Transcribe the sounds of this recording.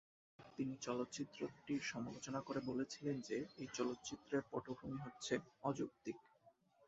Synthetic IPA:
t̪init͡ɕɔlot̪ːt͡ɕit̪ːɾoʈiɾʃɔmalot͡ɕonakoɾebolet͡ɕʰilend͡ʑeejt͡ɕɔlot̪ːt͡ɕit̪ːɾeɾpɔʈokʰumiɦotːɕʰeɔd͡ʑukt̪ik

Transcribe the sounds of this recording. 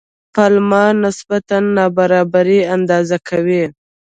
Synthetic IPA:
palmɑnɪsbat̪anːɑbaɾɑbaɾiand̪ɑzakʰawi

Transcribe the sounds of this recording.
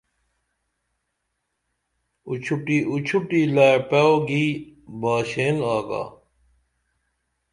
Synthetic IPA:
ṵt͡ɕʰuʈiʔut͡ɕʰuʈiːlaːpaoɡiːbaːɕeːnaːɡa̰ː

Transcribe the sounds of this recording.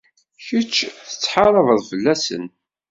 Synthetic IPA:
çət͡ʃːθə̥t͡sːħɑɾˤəvəðˤfəlːæsə̰n

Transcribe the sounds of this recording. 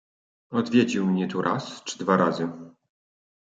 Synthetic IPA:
ɔd̪vʲjed͡ʑiwmɲɛt̪uɾʔa̰st͡ʂd̪vaɾazɘ

